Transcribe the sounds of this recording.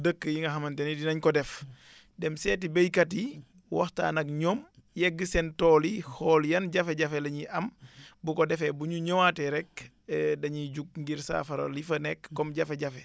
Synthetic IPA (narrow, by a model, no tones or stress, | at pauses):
dəkːəjiŋɡɐɦɐmɐntɛnidinɐɲkɔdɛf | dɛmsɛːtibejkati | wɔ̰hta̰ːnɐkɲɔːm | jɛɡəsɛntɔːlihɔːljɐnɟɐfɛɟɐfɛlɐɲiʔɐmbukɔdɛfɛbuɲuɲɔwatɛɾɛk | dɐɲiɟuk̚ŋɡiɾsa̰ːfɐɾo̰lifɐnɛkːɔmɟɐfɛɟɐfɛ